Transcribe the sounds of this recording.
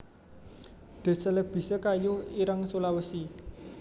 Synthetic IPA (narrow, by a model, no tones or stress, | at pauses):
d̪̥e̤sələb̥i̤səkajʊhiɾaŋsolawəsi